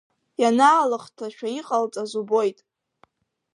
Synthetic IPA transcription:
janaːlɨχtʰaʃᶣaiqʼalt͡sʼazubo̞jtʼ

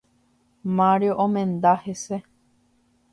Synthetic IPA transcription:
mãɾjoʔõmẽnd̪ahese

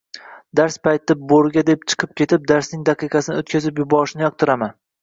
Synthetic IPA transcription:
d̪aɾspʰajt̪ɪboɾɡʲad̪ep̚t͡ʃʰɨ̥qʰɨp̚kʲʰe̞t̪ɪp̚d̪aɾsnɪŋd̪ɑqʰɨqʰɑsɪnɪot̪kʲʰazɪpjʊbɒɾɪʃɪnɪjɒq̚t̪ʰʊɾaman

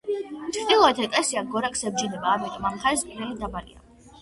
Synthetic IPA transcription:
t͡ʃʰɾd̪ilˠɔɛt̪ʰɛt̪ʼɛsiaɡɡɔɾakʰsɛb̚d͡ʒinɛbaːmit̪ʼɔmamχaispʼiɾɛlid̪abaɾḭa̰

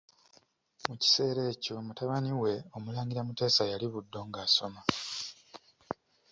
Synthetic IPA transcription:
muci̥se̞ːɾe̞ːco̞mutaβaniwe̞o̞mulaːŋɡiɾamute̞ːsajaliβudːo̞ŋɡaːso̞ma

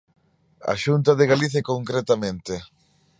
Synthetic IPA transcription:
a̰ʃunt̪aðeɣaliθjakoŋkɾet̪amẽnt̪ɪ

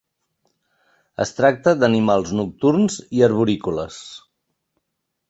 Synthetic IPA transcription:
ə̰st̪ɾak̚t̪əd̪ənimalˠznuk̚t̪uɾnziəɾβuɾikulə̰s

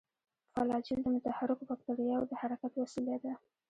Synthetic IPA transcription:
fɑlɑd͡ʒɪld̪əmʊt̪ahaɾɪkobak̚t̪aɾijɑwd̪əhaɾakat̪wasilad̪a

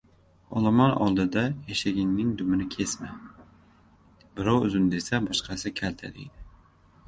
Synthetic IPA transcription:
ɒlˠamɒnɒ̰lˠd̪ɪd̪ajaʃaɡʲɪnːɪŋd̪ʊmɪnɪkʲʰe̞sma | bɪɾɒwʊ̰zʊnd̪e̞sabɒʃqʰɑsɪkʲʰalt̪ʰa̰d̪ɪ̰jd̪ɪ

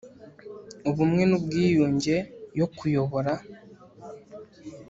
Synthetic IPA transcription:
uβumŋe̞nubɡiːjuːɲɟe̞jo̞kujo̞βo̞ɾa

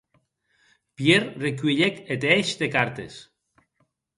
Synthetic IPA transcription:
pjeɾrekɥeʎeket̪eeʃd̪ekaɾt̪ḛs

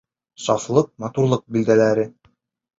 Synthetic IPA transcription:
sɑflˠɤq̚mɑt̪uɾlˠɤq̚bild̪ælæɾɘ

